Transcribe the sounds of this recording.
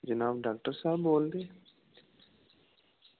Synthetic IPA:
d͡ʒənaːbɖaːk̚ʈəɾsaːbːoːld̪eː

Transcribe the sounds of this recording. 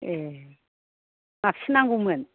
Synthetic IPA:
ɛ | ŋafinaŋɡumɛn

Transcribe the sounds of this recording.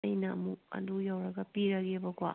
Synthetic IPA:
jnɐɐ̰muk̚ɐ̰ndujawɾɐɡɐpiɾɐɡebɐkwa̰

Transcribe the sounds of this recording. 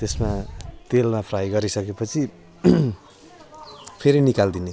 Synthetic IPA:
t̪esmat̪elmapʰrajɡʌɾisʌkepʌt͡sʰi | pʰeɾinikald̪ine

